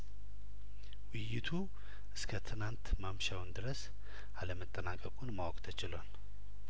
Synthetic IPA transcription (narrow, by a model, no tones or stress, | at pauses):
wɪjːɪt̪ʰu | ʔɨskʰət̪ʰɨnant̪mamʃawnd̪ɨɾəs | aləmət̪ʼːənakʼəkʼunmawɔkʼt̪ʰət͡ʃɪlan